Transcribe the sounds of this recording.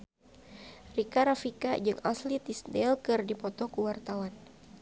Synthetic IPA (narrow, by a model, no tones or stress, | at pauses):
rikaɾafikad͡ʒɨŋaslit̪isdɛlkɨrdipɔt̪ɔkuwart̪awan